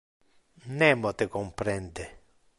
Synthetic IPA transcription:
nɛmːɔt̪ekɔmpɾɛnd̪e

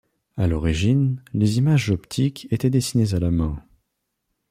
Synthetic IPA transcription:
alɔʁiʒinlezimaʒzɔpt̪ʰikʰet̪ɛd̪esinezalamɛ̃

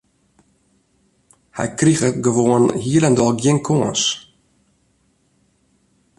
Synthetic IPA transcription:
hɛ̰jkrixəɡəʋoənhiələndɔlˠɡiənkʰoəns

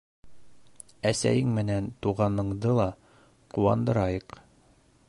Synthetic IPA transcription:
æsæ̰jɘŋmɘ̆nænt̪uʁɑnɤ̆ɴd̪ɤlˠɑ | quwɑ̰nd̪ɤ̆ɾɑjɤq

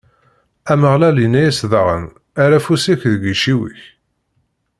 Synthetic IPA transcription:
æməʁlælinæjæsðəʁə̰n | aɾæfusiçðəɡiʃiwḭç

